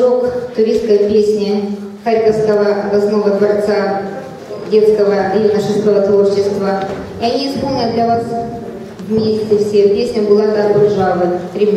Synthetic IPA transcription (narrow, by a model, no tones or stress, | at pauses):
ʐokt̪ʊɾʲiskəjpʲesʲnʲɪ | xaɾʲkəfskəvəvɐsnovət̪vɐrt̪sa | dʲe̞t̪skəvəjunəʂɨskəvət̪vort͡ɕɪst̪və | iɐnʲispo̞lˠnʲəd̪lʲɐvas | vmʲesʲtʲɪfsʲepʲesʲnʲɪbɨlˠad̪abʊlʲʐavɨt̪ɾʲɪmʲ